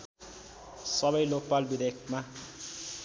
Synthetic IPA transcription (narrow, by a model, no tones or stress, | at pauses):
sʌbʌjlopalbid̪ekʰma